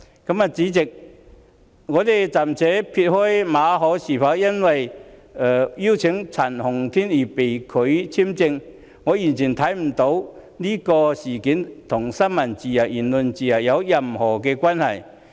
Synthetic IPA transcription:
kɐ˨˥ma˨˧t͡siː˨˥t͡sɪ˨k̚ | ŋɔː˨˧t̪e˨jt͡sɐ˨˩mt͡sʰɛː˨˥pʰi˧t̚hɔː˥jmaː˨˧˥ɦɔː˨˥siː˨˩fa˨˥wjɐ˥nwɐ˨jɛ˨˩jiː˥wt͡sʰɪ˨˥ŋt͡sʰa˨˩nhʊ˨˩ŋt̪ʰiː˥niː˨˩pe˨jkʰɵ˨˥ɥt͡sʰi˥mt͡sɪ˧ŋ | ŋɔː˨˧ji˨˩nt͡sʰiː˨˩nt̪ʰɐ˨˥jm̩˨˩t̪o˨˥w | liː˥kɔː˧siː˨˩kiː˨˥nt̪ʰʊ˨˩ŋsɐ˥nmɐ˨˩nt͡siː˨˩ja˨˩jiː˨˩nlʊ˨nt͡siː˨ja˨˩jɐ˨˧wjɐ˨mhɔː˨˩kɛː˧kwaː˥nhɐ˨˩j

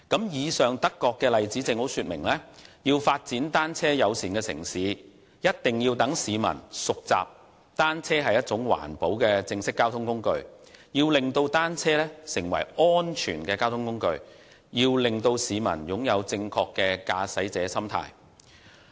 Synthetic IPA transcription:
kɐ˨˥mjiː˨˧sœː˨ŋt̪ɐ˥kːɔː˧kːɛː˧lɐ˨jt͡siː˨˥t͡sɪ˧ŋho˨˥wsyː˧t̚mɪ̰˨˩ŋlɛː˥jiː˧wfaː˧t̚t͡siː˨˥nt̪aː˥nt͡sʰɛː˥jɐ˨˧wsiː˨˩nkɛː˧sɪ̰˨˩ŋsiː˨˦ | jɐ˥t̚t̪ɪ˨ŋjiː˧wt̪ɐ˨˥ŋsiː˨˧mɐ̰˨˩nsʊ˨k̚t͡sa̰ː˨p̚ | t̪aː˥nt͡sʰɛː˥ɦɐ˨jːɐ˥t̚t͡sʊ˨˥ŋwa̰ː˨˩npo˨˥wkɛː˧t͡sɪ˧ŋsɪ˥kːaː˥wt̪ʰʊ˥ŋkʊ˥ŋkɵ˧ɥ | jiː˧wlɪ˨ŋt̪o˧wt̪aː˥nt͡sʰɛː˥lɛː˥sɪ˨˩ŋwɐ̰˨˩jɔː˥nt͡ʃʰyː˨˩nkɛː˧kaː˥wt̪ʰʊ˥ŋkʊ˥ŋkɵ˧ɥ | jiː˧wlɪ˨ŋt̪o˧wsiː˨˧mɐ̰˨˩njʊ˨˥ŋjɐ˨˧wt͡sɪ˧ŋkʰɔː˧kːɛː˧kaː˧sɐ˨˥jt͡sɛː˨˧˥sɐ˥mt̪ʰa̰ː˥j

